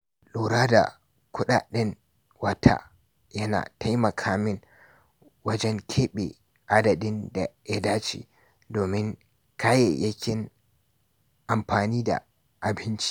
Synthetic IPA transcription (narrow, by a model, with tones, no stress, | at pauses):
ɗoː˨ɾaː˦da̰˨ | kʷʊ˦ɗa̰ː˨ɗɪ˦n | wɐ˦tʰa̰˦ | jɐ˦na̰ː˨ta˦jmɐ˨kʰaː˦mɪ˦ŋ | wɐ˦d͡ʒɛ˦ŋkʲʰeː˦ɓe˨ | ʔa˦dɐ˨dɪ˦nda˨jɐ˦daː˦t͡ʃḭː˨ | doː˨mɪ˦ŋ | kaː˦je˨jʔɐ˦kʲɪ˦n | ʔa˨mɸaː˨niː˦da̰˨ | ʔa˨bɪ˦nt͡ʃi̥˦